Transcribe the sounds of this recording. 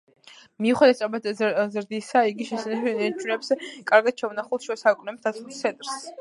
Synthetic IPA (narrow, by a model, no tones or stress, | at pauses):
miuχɛd̪ɛt̪tsʼabad̪zɾd̪isaiɡiʃɛsɛnɛɛt͡ʃʰʼunɛpsɛkʼaɾɡad̪̥̚t͡ʃʰɛvunaχulˠt̪ʃɛsakʼnɛmsd̪at̪sʰʼust̪sʰɛ̃nt̪ʼɾs